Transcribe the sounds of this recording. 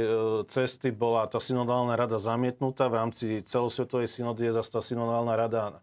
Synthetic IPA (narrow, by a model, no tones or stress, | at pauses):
t͡sɛst̪ibɔlat̪aːsinɔd̪aːlnaɾad̪azamɪɛt̪nut̪aːʋɾaːmt͡sit͡sɛlɔsʋɛt̪ɔʋɛjsinɔd̪iɛzast̪aːsinɔd̪aːlnaɾad̪a